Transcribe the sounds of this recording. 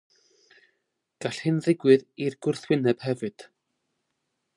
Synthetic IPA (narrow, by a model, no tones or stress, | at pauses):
ɡ̥aɬhɨnðɪɡwɨðirɡʊrθwɪnɛb̥hɛvɨd̥